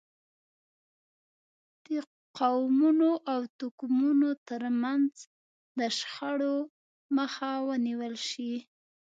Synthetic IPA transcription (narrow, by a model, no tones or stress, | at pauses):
d̪̥ə | qawmunoʔawt̪ʊkmunot̪əɾmanz | d̪əʃxaɽo | məxawəniwəlʃi